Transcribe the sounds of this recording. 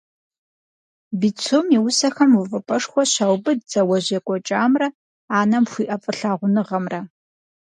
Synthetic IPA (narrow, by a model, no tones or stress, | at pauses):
bit͡sʰomiwʊsɐxɐmʊvɐpʼɐʂxʷɔɕawbɨdzɐwɐʑekʷʼɔt͡ʃʼaːmrɐ | aːnɐmxʷiːʔɐfʼɨɬaːʁʷʊnɨʁɐmrɐ